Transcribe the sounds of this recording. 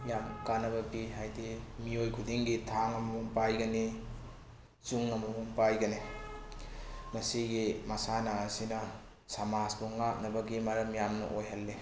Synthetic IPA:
jamkanɐβɐbiɦajdimiojkʰudiŋɡitʰaŋɐmɐmoŋpajɡɐni | t͡ʃuŋɐmɐmuŋpajɡɐni | mɐsiɡimɐsanaːsinɐ | samasbuŋak̚nɐbɐɡimɐɾɐmjamnɐ̰ʔojɦɐlːe

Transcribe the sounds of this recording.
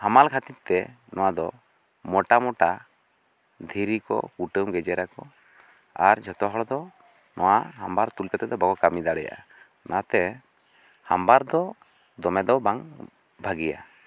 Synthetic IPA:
hamalkʰat̪it̪t̪ɛ | nɔwad̪ɔ | mɔʈamɔʈa | d̪ʱiɾikɔ̰kuʈəmɡɛd͡ʒɛɾakɔ | aɾd͡ʒɔt̪ɔɦɔɽɔd̪ɔ | nɔwaɦambaɾt̪ulkət̪ɛd̪ɔbaɡɔkamid̪aɽɛja̰ʔa̰ | nat̪ɛ | hambaɾd̪ɔ | d̪ɔmɛd̪ɔbaŋ | bʱaɡija̰

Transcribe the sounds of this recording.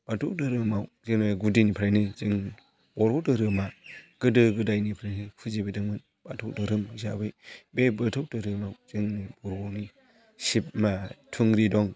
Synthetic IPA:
b̥atʰuk̚dɯɾɯmawzɯŋnɯɡudinipʰɾajnɯzɯŋ | b̥ɔɾbɔdɯɾɯmaɡ̥ɯdɯɡɯdajnipʰɾajnɯkʰɯzibedɯŋmɯn | b̥atʰɔk̚dɯɾɯmɯzabɯjbebɯtʰɔk̚dɯɾɯmawzɯŋnɯbɔɾbɔni | sip̚matʰuŋɾidɔŋ

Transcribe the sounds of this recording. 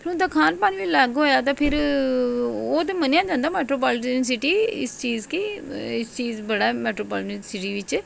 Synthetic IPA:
pʰɪɾũnt̪aːkʰaːnpaːnʋiːləɡɦoːjaːt̪ãːpʰɪɾ | oːt̪̬emənjãːd͡ʒãːnd̪aːmɛːʈɾoːpaːlɪʈəns̬ɪʈiːɪ̰st͡ʃiːzkiɪst͡ʃiːzbəɽaːmɛːʈɾoːpaːlʈənsɪʈiːʋɪt͡ʃ

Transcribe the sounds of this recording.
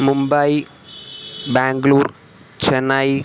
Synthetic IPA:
mumbɐji | baːŋɡɐluːr | t͡ɕenːaj

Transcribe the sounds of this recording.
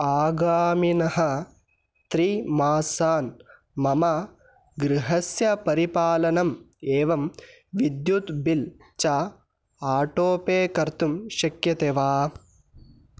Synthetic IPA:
aːɡaːminɐɦɐ̆ | t̪ɾimaːsaːn | mɐmɐ | ɡɾɪɦɐsjɐpɐɾipaːlɐnɐm | eːʋɐm | ʋid̪jut̪bil | t͡ʃa | aːʈoːpeːkɐɾt̪umʃɐkjɐt̪eːʋaː

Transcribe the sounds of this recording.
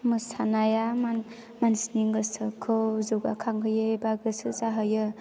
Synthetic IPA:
mɯsanajama | mansniŋɡɯsɯkʰɯwzuɡa̰kʰaŋɦɯjɯbaɡɯsɯzaɦɯjɯ

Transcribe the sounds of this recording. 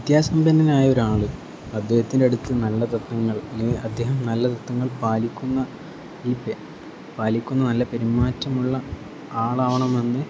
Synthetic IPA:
it̪jaːsɐmbɐnːɐnaːjɐo̞ɾaːɭɨ | ɐd̪ʱːe̞ːhɐt̪ːindeɐɽut̪ːɨnɐlːɐt̪ɐt̪ːɐŋːɐɭɐɐd̪ʱːe̞ːɦɐmnɐlːɐt̪ɐt̪ːɐŋːɐɭpaːlikʲːunːɐ | ilpe | paːlikʲːunːɐnɐlːɐpeɾimːaːtːɐmuɭːɐ | aːɭaːʋɐɳɐmenːɨ

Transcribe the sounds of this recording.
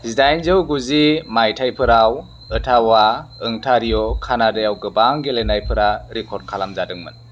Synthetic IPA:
zidajnzɯwɡuzimajtʰajpʰɯɾaw | ɯtʰawaɯŋtʰaɾijɔkʰanadɯjawɡɯbaŋɡelenajpʰɯɾaɾikʰɔɾd̚kʰalamzadɯŋmɯ̰n

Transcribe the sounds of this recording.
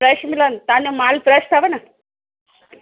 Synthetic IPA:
ɾəɕmilant̪anemalpɾəɕt̪ʰaʋəna

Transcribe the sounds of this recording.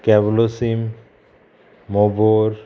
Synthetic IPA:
kɛblosim | oboɾ

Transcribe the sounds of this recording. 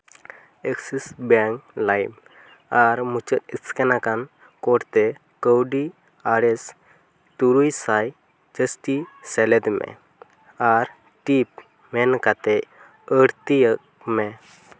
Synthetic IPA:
eksisbɛŋklajm | aɾmut͡ʃət̪iskɛnakan | kɔɽt̪ɛ | kəwɖi | aɽɛs | t̪uɾujsaj | d͡ʒəsʈisɛlɛd̪mɛ̰ | aɾ | ʈip̚ | mɛnkat̪ɛ | əɽt̪ijək | mɛ

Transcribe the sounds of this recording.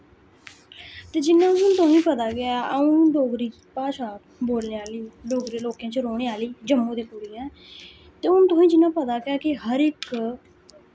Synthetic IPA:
t̪eːd͡ʒɪnːãːʊnt̪õːĩːpət̪aːɡɪaːəũːɖoːɡɾiː | paːʃaː | boːlneːaːliːɖoːɡɾːeːloːkjãːt͡ʃɾoːɽ̃eːaːliːd͡ʒəmːũːd̪eːkuɽiːɡɛ̃ː | t̪eːʊnt̪oːĩːd͡ʒɪnːãːpət̪aːɡɪaːkɪɦəɾɪk

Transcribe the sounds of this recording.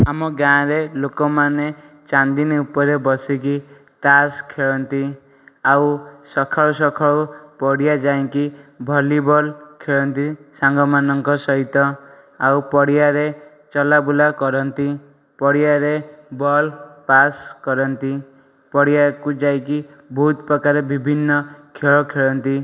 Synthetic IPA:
amɔɡãɾelokɔmane | t͡ʃand̪iniupɔɾebɔsiki | t̪askʰeɭɔnt̪i | awsɔkʰausɔkʰaupɔɽijad͡ʒaj̃kibʱɔlibɔlkʰeɭɔnt̪isaŋɡɔmanɔŋkɔsɔɦit̪ɔ | awpɔɽijaɾe | t͡ʃɔlabulakɔɾɔnt̪i | pɔɽijaɾebɔlpaskɔɾɔnt̪i | pɔɽijakud͡ʒajki | bʱut̪pɾɔkaɾebibʱinːɔkʰeɭɔkʰeɭɔnt̪i

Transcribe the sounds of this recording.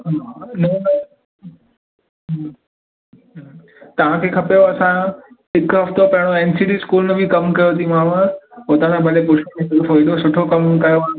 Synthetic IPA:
ɦanɐɐ | ɦ | t̪ɐʋ̤ãkʰeːkʰɐpjoɐsã | ɪkɦɐft̪opɐ̃ɦɪ̃ɽ̃oeːnsiːɖiskuːlnɐbʱikɐmkɐjot̪ʰimãːɽ̃poːt̪ãnãbɐlepʊʃomẽsɐɡəfoːid̪osʊʈʰokɐmkɐjoaː

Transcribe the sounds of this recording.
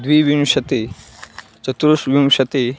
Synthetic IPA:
d̪ʋiʋimʃɐt̪i | t͡ʃɐt̪ɾuʃʋimʃɐt̪i

